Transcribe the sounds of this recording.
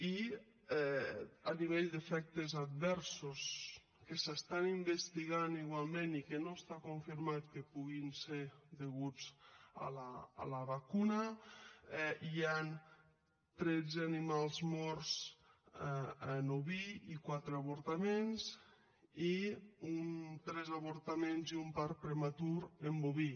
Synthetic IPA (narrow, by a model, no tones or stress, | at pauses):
i | ɛəniβ̞eʎd̪əfɛk̚t̪əzad̪̚βɛɾsus | kəsəst̪animbəst̪iɣaniɣwalˠmẽnikənoəst̪akuɱfiɾmat̪kəpuɣinseɾðəɣud͡zə̰lə̰ːləβakunə | ɛian | t̪ɾɛd͡zanimalˠzmɔɾz | ənoβiikwat̪ɾeaβuɾt̪amenz | iunt̪ɾɛzaβoɾt̪amenziumpaɾpɾemat̪uɾemboβi